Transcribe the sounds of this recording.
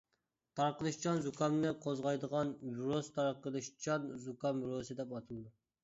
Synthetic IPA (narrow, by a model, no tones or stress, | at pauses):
t̪ʰɑɾqəlˠɨʃt͡ʃʰɑnzukʰɑmnɨqʰozʁɑjd̪əʁɑnbuɾost̪ʰɑɾqəlˠɨʃt͡ʃʰɑnzukɑmbuɾosɨd̪ɛpɑt̪ʰɨlˠɨd̪u